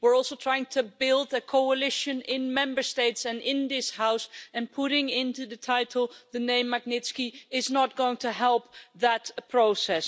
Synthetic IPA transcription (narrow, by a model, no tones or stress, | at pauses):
wɪɹɔlˠsoʊtʰɹ̥aɪɪ̃ŋtʰɨbɪlˠdɨkʰoʊəlɪʃɨ̃nɪ̃nmɛ̃mbə˞steɪtsɨ̃nɪ̃nðɪshaʊsɨ̃npʰʊɾɪ̃ŋɪ̃ntʉðɨtʰaɪɾl̩ˠðɨnẽɪ̃mːəɡ̚nɪtskiɪznət̚ɡ̥oʊɪ̃ŋtʰɨɦɛlˠp̚ðətpʰɹ̥oʊsɛs